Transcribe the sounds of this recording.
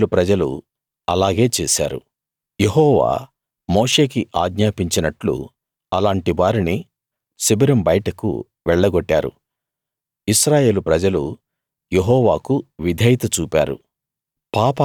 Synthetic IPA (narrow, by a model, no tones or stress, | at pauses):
lupɾɐd͡ʒɐlṵ | ɐlaːɡe̞ːt͡ʃeːsa̰ːɾṵ | jeɦɔːʋa̰ː | moːʂe̞ːkiʔaːɡɲaːpiɲt͡ʃinɐʈlṵ | ɐlaːɳʈiʋaːɾini | sibɐɾimbɐjʈɐkṵ | ʋɛɭːɐɡoʈːa̰ːɾṵ | iʃɾaːje̞ːlupɾɐd͡ʒɐlu | jeɦɔːʋaːkuʋid̪ʱɐjt̪ɐt͡ʃuːpa̰ːɾṵ | paːpɐ